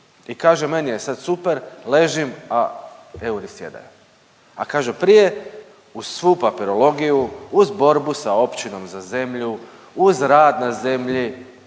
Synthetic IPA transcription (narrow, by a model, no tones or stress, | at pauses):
ikaːʒeme̞nijesad̪supe̞ɾle̞ʒimae̞uɾisje̞̰d̪a̰ju | a̰kaːʒepɾije̞ | uz̥sʋuːpapiɾo̞lo̞ɡijuuzbo̞ɾbusao̞pt͡ɕino̞mzaze̞mʎu | uzɾaːd̪naze̞mʎi